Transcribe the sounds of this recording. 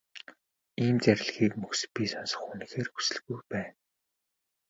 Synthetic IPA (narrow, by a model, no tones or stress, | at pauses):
iːmt͡sæɾʲɪ̆ɮxiːkmɵxspʲisɔnsə̥̆χunĭxeːrxu̥sɘ̆ɮɣujpæːn